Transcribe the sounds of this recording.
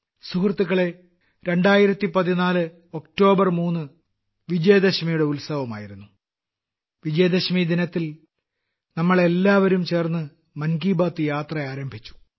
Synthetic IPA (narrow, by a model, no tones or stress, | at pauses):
suhrɐt̪ːuɣɐɭe̞ | ɾe̞ɳɖaːjiɾɐt̪ːipɐðinaːlɨ | o̞k̚ʈo̞ːbɐrmuːnːɨ | ʋid͡ʑɐjɐd̪ɐɕmijuɽe̞ulsɐʋɐma̰ːjiɾunːu | ʋid͡ʑɐjɐd̪ɐɕmid̪inɐt̪ːil | nɐmːɐɭe̞lːaːʋɐɾumt͡ɕe̞ːrnːɨ | mɐnɡiːbaːt̪ːɨjaːt̪rɐaːɾɐmbʱit͡ɕːu̥